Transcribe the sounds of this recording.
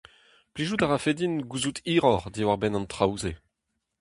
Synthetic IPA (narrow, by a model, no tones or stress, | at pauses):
pliʒutaʁafedinɡuzut̪ʰiːʁɔʁd̪iwaʁbɛnɑ̃nt̪ʁawze